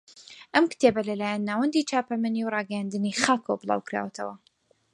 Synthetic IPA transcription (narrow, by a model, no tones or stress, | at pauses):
ʔɐmkɨ̥t̪ʰebɐlɐlaːjanːaːwɐnd̪it͡ʃʰaːpɐmɛniwrɑːɡɐjand̪ɨniχaːkʰo̰wbɨlˠɑ̰ːwkɾa̰ːwɐt̪ʰɐwɐ